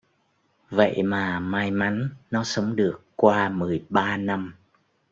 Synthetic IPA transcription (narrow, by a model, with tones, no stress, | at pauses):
və̰˧˨jmaː˨˩maː˧jma˨˦nːɔ˨˦sə˨˦wŋ͡mɗɨ˨˩əkːwaː˧mɨ˨˩əjɓaː˧na˧m